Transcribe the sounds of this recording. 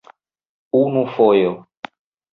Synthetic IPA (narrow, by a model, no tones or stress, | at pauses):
unũfɔjɔ